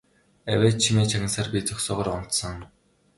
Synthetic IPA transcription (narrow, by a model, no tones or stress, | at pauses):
æwʲeːt͡ɕʰimeːt͡ɕʰaɣʲə̆nsaːrpʲit͡sɔksʊːʁə̆rɾʊn̥t̪sə̆ŋ